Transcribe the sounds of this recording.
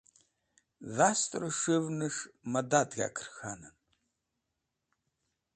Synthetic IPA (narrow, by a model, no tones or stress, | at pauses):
ðaːstʼrɨʂɨvnɨʂmɐdaːdɣʲa̰ːkʰɨ̥rxanɐn